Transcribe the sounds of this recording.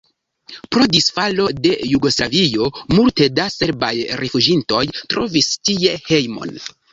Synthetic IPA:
pɾo̞disfalo̞de̞juɡo̞slavio̞multe̞dase̞ɾbajɾefud͡ʒinto̞jtɾo̞vistie̞he̞jmo̰n

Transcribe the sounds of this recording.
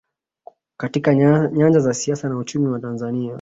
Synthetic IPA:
katikaɲaɲd͡ʒazasiasanaut͡ʃumiwatanzania

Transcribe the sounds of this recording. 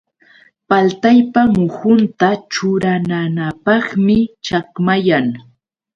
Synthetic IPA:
palt̪ajpamʊhʊnt̪at͡ʃʊɾananapɑχmɪt͡ʃakmajaŋ

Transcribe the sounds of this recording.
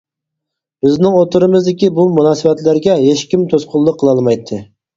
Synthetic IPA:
b̥ɪznɪŋot̪ʊɾɨmɨzd̪ɪkʲibumunɑːsɨvɛt̪lɪɾɡʲɛɦeʃkʲimt̪ʰosqʰʊlˠːəqʰːəlˠɑlˠmɑjt̪ʰːɨ

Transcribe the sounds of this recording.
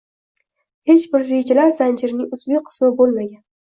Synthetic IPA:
he̞t͡ʃbɪɾːe̞d͡ʒalaɾzand͡ʒɪɾnɪŋʊzbekʲqʰɨ̥smɪbolmaɡʲan

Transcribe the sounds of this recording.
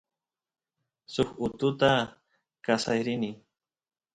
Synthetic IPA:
sʊkʊt̪ʊt̪a | kasajɾɪnɪ

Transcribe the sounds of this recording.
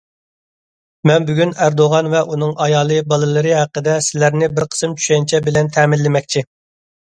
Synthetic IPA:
mɛnbyɡʲynæɾd̪oʁɑnvɛʔunɨŋʔɑjɑːlˠɨbɑlˠɨlˠɨɾɨɦæqːəd̪ɛsɪlæɾnɪbɪɾqʰə̥sɨmt͡ʃʰy̥ʃɛjnt͡ʃʰɛbɪlɛnt̪ʰɛːmɪlːɪmɛkʲt͡ʃʰi

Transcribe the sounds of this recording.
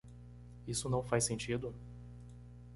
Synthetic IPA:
isʊnɐ̃w̃fajsẽnt͡ʃid̪ʊ

